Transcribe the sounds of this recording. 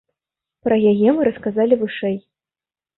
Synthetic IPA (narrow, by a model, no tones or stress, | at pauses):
pɾɐjajɛmɨɾɐskazalʲivɨʂɛj